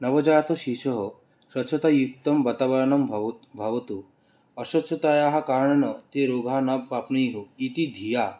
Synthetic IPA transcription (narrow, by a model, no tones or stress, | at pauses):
nɐʋɐd͡ʒaːt̪oʃiʃɔɦɔ | ʃɐtːʃʰɐt̪ajukt̪ɐmbɐt̪abɐɾnɐmʱbʱɐʋɐt̪u | ɐʃɐtt͡ʃʰɐt̪ajaɦakaːɾɳɐnɐt̪eɾoːɡʱaːnɐbpapniɦuit̪id̪ʱijaː